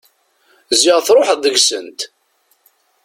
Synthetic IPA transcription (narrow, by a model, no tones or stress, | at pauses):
zɪʁθɾˤoħððəɡsənt̪